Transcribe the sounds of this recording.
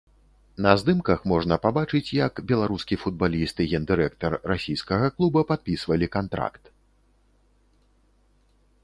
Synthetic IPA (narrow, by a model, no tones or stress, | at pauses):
nɐzd̪ɨmkɐxmɔʐnɐpabat͡ʂɨt͡sʲjɐkbʲɛlˠaɾuskʲifud̪balʲist̪ɨɣʲɛnd̪ɨɾɛk̚t̪ɐrːasʲijskɐɣɐklˠubɐpat̪̚pʲisvɐlʲikant̪ɾa̰kt̪